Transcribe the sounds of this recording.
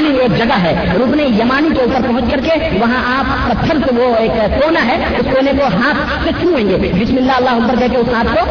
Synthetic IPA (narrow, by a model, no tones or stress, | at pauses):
nieːk̚d͡ʒɐɡaɦɛː | ɾʊːpnejɐmaːnikeuːpəɾpɐɦʊ̃t͡ʃkɐɾke | ʋɐɦãʔaːp̚pɐt̪ʰːəɾseʋoeːk | koːnaɦɛ | ʊskoːnekoɦãːt̪ʰ | sekjũẽːŋɡeːbɪsmɪlːaɐlːaːɦʊɐk̚bəɾkɐɦkeʊsɦaːt̪̚ʰko